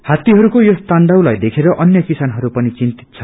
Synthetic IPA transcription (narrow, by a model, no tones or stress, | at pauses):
hat̪iɦʌɾukojost̪anɖawlajd̪ekʰeɾʌʔʌnjʌkisanɦʌɾupʌnit͡sint̪i̥t̪̚t͡sʰʌ